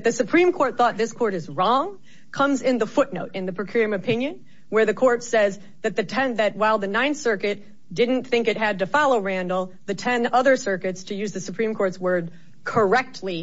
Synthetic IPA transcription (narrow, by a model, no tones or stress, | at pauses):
t̪̚ðɨsɨpʰɹ̥ĩmkʰɔɹt̪̚θɔt̪̚ðɪskʰɔɹɾɨzɹɔ̃ŋ | kʰʌ̃mzɪ̃nðəfʊtⁿnoʊɾɨ̃nðɨpʰɹ̥ɨkʰj̥ʊɹiɨ̃mɨpʰɪ̃njɨ̃n | wə˞ðɨkʰɔɹtsɛz | ðɨt̪̚ðɨtʰɛ̃nðɨt̚waɪlˠðɨnãɪ̃nsɜ˞kɨt | d̥ɪdⁿn̩θɪ̃ŋkɨt̚ɦɨd̚tɨfɑlˠoʊɹæ̃ndˡl̩ˠ | ðɨtʰɛ̃nʌðə˞sɜ˞kɨtstʰɨjʉzðɨsɨpʰɹ̥ĩmkʰɔɹtswɜ˞d̚ | kʰə˞ɛk̚tʰˡli